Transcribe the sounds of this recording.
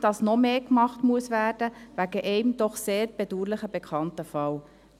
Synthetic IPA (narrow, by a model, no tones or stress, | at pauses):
d̥ɑsnɔmeːkmɑχtmuəsvæːrd̥əvæɡəʔɛɪmdɔχseːɾb̥eduːɾlɪχəbɛkʰɑntəfɑw